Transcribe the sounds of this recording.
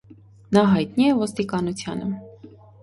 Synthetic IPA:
nɑɦɑjt̪niɛvɔst̪ikɑnut͡sʰjɑ̰nə̰

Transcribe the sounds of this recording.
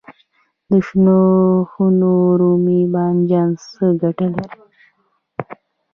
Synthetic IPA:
d̪əʃnoxunoɾumibɑnd͡ʒɑnsəɡaʈəle

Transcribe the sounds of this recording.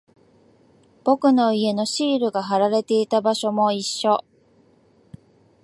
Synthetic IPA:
b̥o̞kɯ̟no̞ie̞no̞ɕiːɾɯ̟ɡaɦaɾaɾe̞t̪e̞it̪abaɕo̞mo̞iɕːo̞

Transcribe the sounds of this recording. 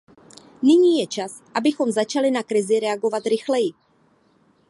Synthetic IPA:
nɪɲiːjɛt͡ʃasʔabɪxo̞mzat͡ʃalɪnakɾɪzɪɾɛaɡo̞vat̪ɾɪxlɛjɪ

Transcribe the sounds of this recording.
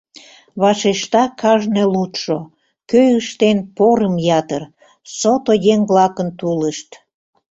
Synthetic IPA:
βɑʃeʃt̪ɑkʰɑʒnelut̪ʃo | køjəʃt̪enpoɾəmjɑt̪ər | sot̪ojeŋβlɑkənt̪uləʃt̪

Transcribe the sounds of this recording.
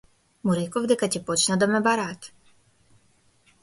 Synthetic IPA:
muɾikɔvd̪ɛkat̪ʲɛpɔt͡ʃnad̪amɛbaɾat̪

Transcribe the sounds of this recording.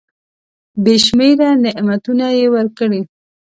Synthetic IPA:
beʃmeɾanɪʔmat̪unajewəɾkəɽi

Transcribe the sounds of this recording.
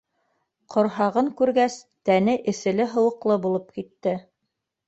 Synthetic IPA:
qʰŏɾɦɑʁɤŋkʉɾɡæs | t̪ænɘʔɘ̆sɘ̆lɘɦɤ̆wɤ̆qlˠɤbulˠɤp̚kit̪ːɘ

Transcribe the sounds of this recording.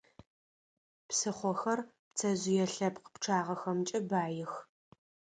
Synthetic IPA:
psɨχʷɔxɐr | pt͡sʰɐzɪjɛɬɐpqə̥pʈ͡ʂʰaːʁɐxɐmt͡ʃʼɐbaːjɪx

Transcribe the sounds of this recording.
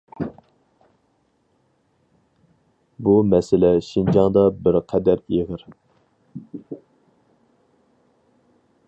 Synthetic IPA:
bumɛsɪlɛʃind͡ʒɑŋd̪ɑbɪɾqʰɛd̪æɾiʁəɾ

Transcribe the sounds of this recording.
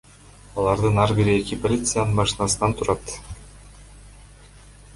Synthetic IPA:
ɑlˠɑɾd̪ɯnɑɾbiɾiekipolʲit̪sɨjanɯnbɑʃinɑsɯnɑnt̪ʰuɾɑt̪

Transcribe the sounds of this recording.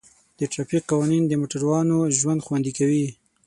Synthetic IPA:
d̪̥əʈɾɑfiq̚qɑwɑnind̪əmoʈaɾwɑnoʒwand̪xwand̪ikawi

